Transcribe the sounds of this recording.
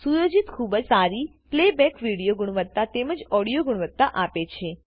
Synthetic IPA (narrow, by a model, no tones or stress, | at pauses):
sujod͡ʒit̪kʰubəd͡ʒsaɾi | plebɛkʋiɽijoɡʊɽ̃ʋət̪ːat̪eməd͡ʒɔɽijoɡʊɳʋət̪ːaʔapet͡ʃʰe